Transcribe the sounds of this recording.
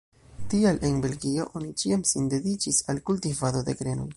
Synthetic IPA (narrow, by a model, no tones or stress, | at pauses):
tialʔe̞nbe̞lɡio̞ʔo̞nit͡ʃiamsinde̞dit͡ʃisalkultivado̞de̞ɡɾe̞no̞̰j